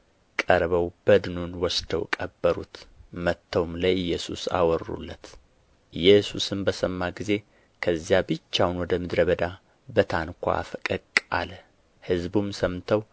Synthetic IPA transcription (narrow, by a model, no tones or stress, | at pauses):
kʼəɾbəwb̥əd̪ɨnunwɔsd̪əwkʼəbːəɾṵt̪mət̪ʰːəwmlajjːɛsṵsa̰wɔɾːṵlːət̪ | ɨjːɛsusɨmbəsəmːaɡize̞ | kʰəzːjabɨt͡ʃːawnwɔd̪əmɨd̪ɾəβəd̪a | bət̪ʰankʷʰa̰a̰fəkʼəkʼa̰lə | hɨzbumsəmt̪ʰəw